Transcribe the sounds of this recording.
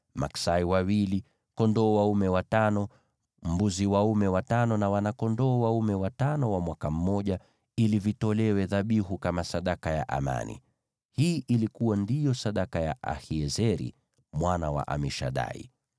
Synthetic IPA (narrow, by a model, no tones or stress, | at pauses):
ma̰ksaiwawili | kɔndɔːwaumɛwatanɔ | m̩buziwaumɛwatanɔnawanakɔndɔːwaumɛwatanɔwamwakam̩ːɔʄa | ilivitɔlɛwɛðaɓiɦukamasaɗakaja̰ʔa̰ma̰nḭ | hiːʔilikuwandijɔsaɗakajaʔa̰hiɛzɛɾḭ | mwana̰wa̰ʔa̰miʃa̰ɗa̰ḭ